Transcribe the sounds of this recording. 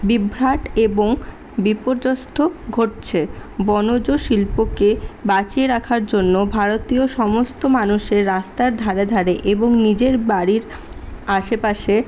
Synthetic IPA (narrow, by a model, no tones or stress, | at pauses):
bibʱɾaʈeboŋ | bipoɾd͡ʑost̪ʰoɡʱoʈ̚t͡ɕʰebɔnod͡ʑoʃilpokebat͡ɕieɾakʰaɾd͡ʑonːobʱaɾot̪ioʃɔmost̪omanuʃeɾːast̪aɾd̪ʱaɾed̪ʱaɾeʔeboŋnid͡ʑeɾbaɾiɾ | aʃepaʃe